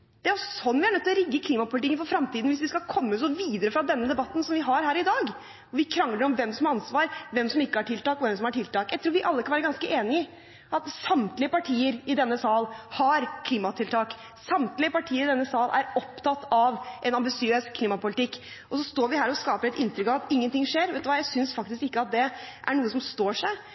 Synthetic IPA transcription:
d̪̥ɛæɾɔsɔsɔnːʋɪhæɳœt̪ːɔɾɪɡːəkʰliːmɑpʊlɪt̪ɪkːənfɔɾfɾɑmt̪iːd̪n̩ʋɪsʋɪskɑlkʰɔmːəsɔʋiːd̪əɾəfɾɑd̪ɛnːəd̪ɛbɑt̪ːn̩sɔmʋɪɦɑɾɦæːɾɪd̪ɑːɡ | ɔʋɪkʰɾɑŋləɖɾɔmʋɛmsɔmɑɾɑnsʋɑːɾʋɛmsɔmɪkːəhɑʈʰɪlt̪ɑːkɔʋɛmsɔmhɑʈʰɪlt̪ɑːkjæɪt̪ʰɾuːʋɪʔɑlːəkʰɑnʋæːɾəɡɑnskəʔeːnɪɪ | ʔɑt̪sɑmt̪lɪəpɑʈʰiːəɾɪd̪ɛnːəsɑlhɑɾkʰliːmɑt̪ʰɪlt̪ʰɑːk | sɑmt̪lɪəpɑʈʰiːəɾɪd̪ɛnːəsɑːlʔæ̰ɾɔpt̪ʰɑt̪ːɑʋʔɛnɑmbɪsɪøːskʰliːmɑpʊlɪt̪ɪkː | ʔɔsɔst̪oːɾʋɪɦæːɾɔskɑːpəɾɛt̪ɪnt̪ɾʏkɑʋɑt̪ɪŋːənt̪ʰɪŋʂeːɾʋɛt̪ʉʋɑːjæɪsʏnsfɑk̚t̪ɪskɪkːəɑt̪̚d̪ɛʔæɳuːəsɔmst̪oːʂæɪ

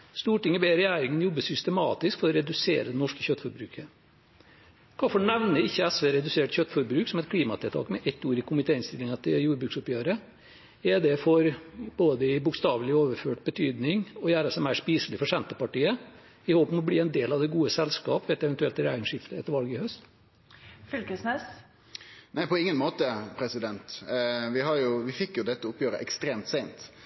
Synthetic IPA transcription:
st̪uːʈɪŋːəbeːɾɛjæːɾɪŋənjɔbːəsʏst̪əmɑːt̪ɪskfɔɾɔɾɛd̪ʉsḛːɾəd̪ɛnɔʂkəçœt̪ːfɔɾbɾʉːkʰə | kʰɑːfɔɳɛʋnəɪçːəɛsʋeːɾɛd̪ʉseːʈçœt̪ːfɔɾbɾʉːksɔmɛt̪̚kʰliːmɑt̪ʰɛlʰɑ̰ːkmɛʔɛt̪ːuːɾɪkʊmɪt̪ʰeːɪnst̪ɪlɪŋɑt̪ʰɪljuːɾbɾʉːksʊpjøːɾə | ɛd̪ɛfɔɾboːd̪əɪbʊkst̪ɑːʋəlɪoːʋəɾføːʈbət̪ʰyːd̪nɪŋɔjæːɾəsɔmæɪʂpiːsəlɪfɔʂɛnt̪əpɑʈiːə | ɪhoːpəmɔbliːɛnd̪eːlɑʋd̪ɛɡuːəsɛlskɑːpʋɛːt̪ɛʋɛnt̪ʉɛlt̪ɪɾæɪŋʂɪft̪əɛt̪ːəɾʋɑlɡəɪhœst̪ | fʏlkəsneːs | næɪpʰɔɪŋːənmoːt̪əpʰɾɛsɪd̪ɛnt̪ʋɪhɑɾjʊʋɪfɪkːjʊd̪ɛt̪ːəʊpjøːɾə̰ʔɛkst̪ɾeːmt̪seɪnt̪

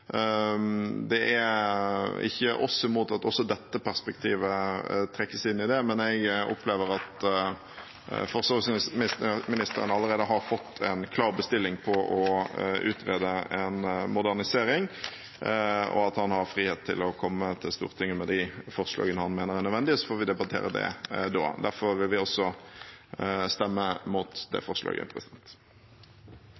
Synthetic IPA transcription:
d̪ɛʔæ | ɪ̰çːəʔɔsɪmuːt̪ɑt̪ɔsːɔd̪ɛt̪ːəpæʁspɛkt̪ʰiːʋət̪ʰɾɛkːəsɪnːɪd̪ɛmɛnɛɡɔ̰pleːʋəɾɑt̪ | fɔʁsɑssmɪsmɪnɪst̪əɾə̰nɑlːəɾʁeːd̪əɦɑɾfɔt̪ʰːɛnkʰlɑːʁbəst̪ɪlːɪŋpʰɔʔɔʉ̰ːt̪ʁeːd̪əɛnmʊd̪æʁnɪseːɾɪŋ | ɔ̰ɑt̪hɑnhɑɾfɾiːheːt̪ʰːɪ̰lɔkʰɔmːət̪ʰɪlst̪ṵːʁt̪ʰɪŋːəmɛd̪æfɔʁʂlɑ̰ːɡənəhɑnmeːnəʁæʁnœd̪ʋɛnd̪ɪsɔfoːʁʋɪd̪ɛbɑt̪ʰḛːɾəd̪ɛ̰d̪ɔ̰ːd̪æɾfɔʁʋɪlʋɪɔsːɔ | st̪ɛmːəmuːt̪d̪ɛ̰fɔʁʂlɑ̰ːɡə̰pʰɾɛsɪd̪̥ɛnt̪

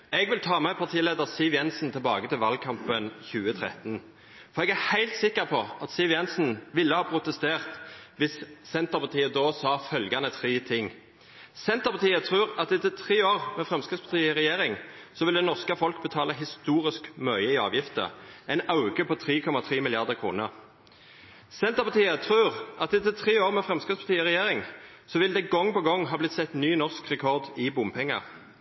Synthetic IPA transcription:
ɛɡʋɪlt̪ʰɑːmɛpʰɑʁt̪ʰiːleːd̪əʁsiːʋjɛnsn̩t̪ʰɪlbɑːɡət̪ɪlʋɑlkʰɑmpənçʉːət̪ʰʁɛ̰t̪n̩ | fɔʁɛɡæhæɪlt̪sɪkːəʁpʰɔɑt̪siʋjɛnsn̩ʋɪlːəhɑːpʰʁʊt̪əst̪eːʁt̪ʋɪssɛnt̪əʁpɑʁt̪ʰiːəd̪oːsɑːfœlɡɑnət̪ʰɾiːt̪ʰɪŋ | sɛnt̪əʁpɑt̪ʰiːət̪ʰʁʉːʁɑt̪ɛt̪ət̪ʰʁiːoːʁmɛfʁɛmskɪspʰɑʁt̪ʰiːəɪʁɛjeːʁɪŋsɔʋɪld̪ɛnɔʁskəfɔlk̚bət̪ʰɑːləɦɪst̪uːʁɪskmœʏəɪɑ̰ːʋjɪft̪ə̰ɛɪnɑʉɡəpʰɔt̪ʰʁiːkʰɔmɑt̪ʰʁiːmɪlɪɑʁd̪əʁkʰʁṵːnəʁ | sɛnt̪əʁpɑʁt̪ʰiːət̪ʰʁʉːʁʔɑt̪ɛt̪ət̪ʰʁeːoːʁmɛfʁɛmskəspʰɑʁt̪ʰiːəʁɛjeːʁɪŋ | sɔʋɪld̪ɛɡɔŋːpɔɡɔŋːɦɑːblɪt̪sɛt̪nyːnɔʁskʁɛkʰɔʁd̪ɪbʊmpʰɛŋːɑ̰

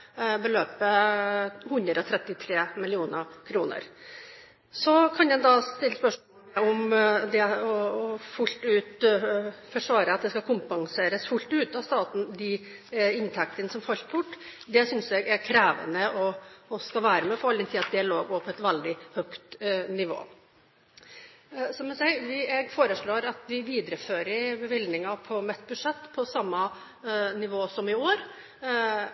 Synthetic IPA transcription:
bəløːpə | hʉnd̪ɾɔt̪ʰɾɛt̪ːɪt̪ʰɾeːmɪlɪuːnəkʰɾuːnə̰ɾ | sɔkʰɑnjɛd̪ɑst̪ɪlːəspœʂmoːlɔmd̪ɛɔɔfʊlt̪ʉːt̪ | fɔʂʋɑːɾəɑt̪̚d̪ɛskɑkʰʊmpɑŋseːɾəsfʊlt̪ʉːt̪ɑst̪ɑːt̪n̩d̪ɪ | ɪnt̪ʰɛk̚t̪ənəsɔmfɑlt̪bʊʈːd̪ɛsʏnsɛɡæɾkʰɾæːʋə̰nəɔɔskɑʋæːɾəmɛpʰɔɾɑld̪ɛnt̪ʰiːɑt̪̚d̪ɪɑloːɡoːpʰɔɛt̪ʋɛld̪ɪhœkt̪nɪʋo̰ː | sɔmɛnsɛɪʋɪɛɡfoːɾəʂɭoːɾɑt̪ʋɪʋiːd̪ɾəføːɾəɾbəʋɪld̪nɪŋɑpʰɔmɛt̪ːbʉʂɛt̪ːpʰɔsɑmːɑ | nɪʋoːsɔmɪoːɾ

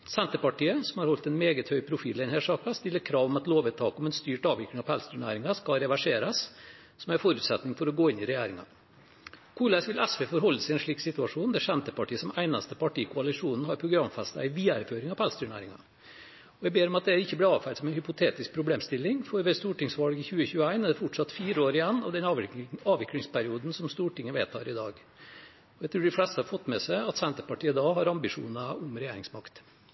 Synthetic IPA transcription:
sɛnt̪əpɑʈiːəsɔmhɑɾhɔlt̪ɛnmeːɡət̪hœʏpʰɾʊfḭːlɛɪnheːʂɑːkɑst̪ɪlːəɾkʰɾɑːʋɔmɑt̪loːʋɛt̪ʰːɑ̰ːkɔmɛnst̪yːʈɑːʋɪklɪŋɑʋphælst̪ʉːɳæ̰ɪɾɪŋɑskɑɾɛʋæʂeːɾɑs | sɔmæɾfɔɾʉːt̪sɛt̪nɪŋfɔɾɔɡoːɪnːɪɾɛjæːɾɪŋɑ̰ | kʰuːlæsʋɪlʔɛsʋeːfɔɾɦɔlːəsɪɛnʂɭiːksɪt̪ʉɑʂuːnd̪ɛʂɛnt̪əpɑʈʰiːəsɔmæɪnɑst̪əpʰɑʈiːkʰʊɑlɪʂuːnn̩ɦɑɾpʰɾʊɡɾɑmfɛst̪ɑ̰æɪʋiːæɾføːɾɪŋɑʋpɛlst̪ʉːɳæ̰ɪɾɪŋɑ̰ | ɔɛɡbeːɾɔmɑt̪̚d̪ɛæɾɪçːəblɪɑːʋfæɾd̪sɔmɛɪnhʏpʊt̪ʰeːt̪ɪsk̚pʰɾʊbleːmst̪ɪlːɪŋfɔɾʋɛst̪uːʈɪŋsʋɑlɡɪçʉːəçʉːəæɪnɛd̪ɛfʊʈʂɑt̪fiːɾəoːɾɪjɛnːɑ̰ʋd̪ɛnɑːʋɪklɪŋspʰæɾɪuːd̪n̩sɔmst̪uːʈɪŋːəʋḛːt̪ʰɑ̰ːɾɪd̪ɑ̰ːɡ | ɔɛɡt̪ʰɾuːɖɪflɛst̪əhɑɾfɔt̪ːmɛsæɪɑt̪sɛnt̪əpɑʈiːəd̪ɑːɦɑɾɑmbɪʂṵːnɑʊmɾɛjeːɾɪŋsmɑkt̪

